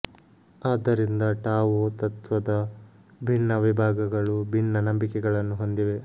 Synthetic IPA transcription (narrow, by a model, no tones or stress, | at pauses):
aːd̪ɐɾind̪ɐʈaːʋoːt̪ɐt̪ʋɐd̪ɐ | bʱiɳːɐʋibʱaːɡɐɡɐɭubʱiɳːɐnɐmbikɛɡɐɭɐnːuɦo̞nd̪iʋe̞